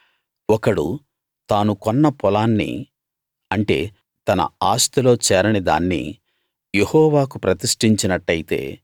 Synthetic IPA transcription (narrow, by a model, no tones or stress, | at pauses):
ɔkɐɽṵ | t̪aːnukɔnːɐpɔlaːnːḭ | ɐɳʈe̞̰ː | t̪ɐnɐ̰aːst̪ulo̞ːt͡ʃɛːɾɐnid̪a̰ːnːḭ | je̞hɔːʋaːkupɾɐt̪iʂʈiɲt͡ʃinɐʈːɐjit̪e̞̰ː